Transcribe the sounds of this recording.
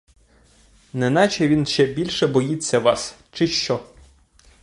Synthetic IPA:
nɛnɑt͡ʃɛʋʲinʃt͡ʃɛbʲilʲʃɛbɔjit͡sʲːɐʋɑs | t͡ʃɪʃt͡ʃɔ

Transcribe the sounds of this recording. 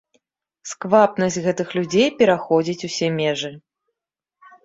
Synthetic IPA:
skvapnɐsʲt͡sʲɣɛt̪ɨxlʲud͡zʲejpʲɛɾaxɔd͡zʲit͡sʲusʲɛmʲɛʐɨ

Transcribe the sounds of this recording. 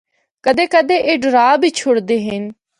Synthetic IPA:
kəd̪eːkəd̪eːʔeːɖəɾaːbʱiːt͡ʃʰoɽd̪eːɦɪn

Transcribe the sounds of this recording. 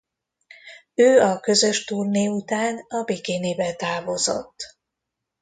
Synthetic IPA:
øːɒkø̞zø̞ʃt̪urneːut̪aːnɒbeːkeːneːbɛt̪aːvo̞zo̞̰t̪ː

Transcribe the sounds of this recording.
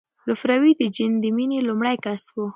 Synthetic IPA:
lʊfɾawid̪əd͡ʒɪnd̪əminilʊmɽajkaswo

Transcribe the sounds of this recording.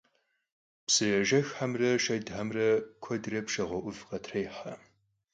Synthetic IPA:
psɨʒɐʒɐxħamrɐʃɐdʕamrɐkʷʰɔdrɐpʃɐʁʷɔʔʷʊvqɐtʰrɐjħa

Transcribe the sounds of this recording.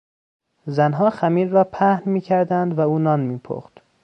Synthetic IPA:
zænɦɒːxæmiːɾːɒːpʰæhnmiːcʰæɾd̪ænd̪væuːnɒːnmiːpʰo̰ːxt̪

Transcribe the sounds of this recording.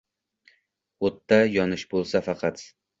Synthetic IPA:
ot̪ːajɒnɪʃbolˠsafɑqʰɑt̪

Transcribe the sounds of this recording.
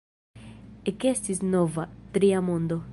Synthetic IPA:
ekest̪isnovat̪ɾiamõnd̪o

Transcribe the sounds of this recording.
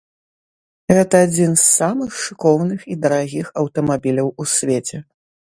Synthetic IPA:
ɣɛt̪ɐːd͡zʲinsːamɨxʂɨkɔwnɨxid̪ɐɾaɣʲixɐwt̪ɐmabʲilʲɐwusʲvʲet͡sʲɛ

